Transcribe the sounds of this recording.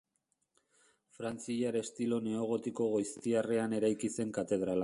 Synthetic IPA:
fɾant͡siʎaɾe̞st̪ilo̞ne̞o̞ɣ̞o̞t̪iko̞ɣojst̪iareane̞ɾajkise̞ŋkat̪e̞ð̞ɾala

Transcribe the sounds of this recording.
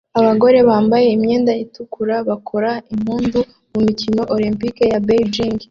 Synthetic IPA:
aβaɡo̞ɾe̞βaːmbaje̞imɲe̞ːndajitukʰuɾaβakʰo̞ɾaim̥huːndu | mumicimoʔolimpikejabed͡ʒiŋɡ

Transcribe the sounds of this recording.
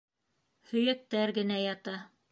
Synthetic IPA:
hɵ̆jæk̚t̪ːæɾɡɘ̆næjɑt̪ɑ

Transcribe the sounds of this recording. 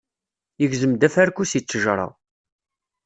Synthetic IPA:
jəɡzəmd̪æfæɾkusit͡sːəʒɾˤɑ̰ʁ

